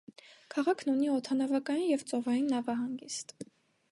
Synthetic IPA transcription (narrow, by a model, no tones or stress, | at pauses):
kʰɑʁɑkʰnuniɔt̪ʰɑnɑvɑkɑjinjɛvt͡sʼɔvɑjinːɑvɑɦɑŋɡist̪